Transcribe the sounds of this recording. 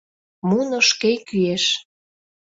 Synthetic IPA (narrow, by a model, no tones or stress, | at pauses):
munoʃkekyeʃ